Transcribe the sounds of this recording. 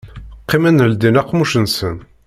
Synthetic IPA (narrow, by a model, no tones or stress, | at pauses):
qːimænld̪inæqːmuʃənsən